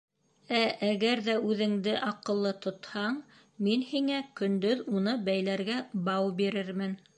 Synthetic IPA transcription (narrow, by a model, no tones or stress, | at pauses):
æʔæɣæɾðæʉðɘ̆ŋd̪ɘʔɑqɤ̆lˠːɤt̪ŏt̪hɑɴ | minhiŋækɵ̆nd̪ɵðunɤbæjlæɾɡæbɑwbiɾɘɾmɘn